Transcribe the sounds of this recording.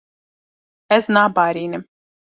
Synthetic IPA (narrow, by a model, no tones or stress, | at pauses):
ɛsnaːbaːɾʲiːnʲɪ